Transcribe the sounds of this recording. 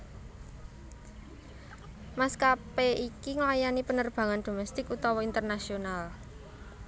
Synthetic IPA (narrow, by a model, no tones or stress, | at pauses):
maskapeʔikiŋəlajanipənərb̥ä̤ŋand̪̥o̤mɛst̪ɪkut̪ɔwɔint̪ərnasional